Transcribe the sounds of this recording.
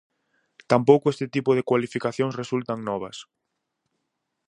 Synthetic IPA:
t̪ampowkʊest̪ɪt̪ipʊðɪkwalifikaθjõŋsresult̪aŋnɔβ̞ɐs

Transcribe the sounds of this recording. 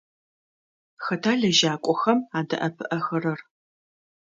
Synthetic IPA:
xɐtʰaːɮɐʒaːkʷʼɔxɐmaːdɐ̰ʔɐpʰɨʔɐxɐɾɐr

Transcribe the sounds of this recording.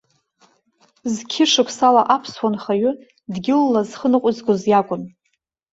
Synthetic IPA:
zkʲʰɪʂɨkʷʰsalaʔapʰswanχaɥʊ | dɡʲɪlːazχənɨqʷʼʊzɡʷʊzjakʷʼʊn

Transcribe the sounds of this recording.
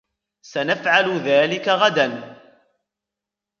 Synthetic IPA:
sanafʕalʊðaːlɪkaɣad̪an

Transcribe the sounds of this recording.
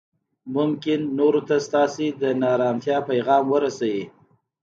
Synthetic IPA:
mʊmkɪnːoɾot̪ast̪ɑsed̪ənɑɾɑmt̪jɑpajɣɑmwəɾasawi

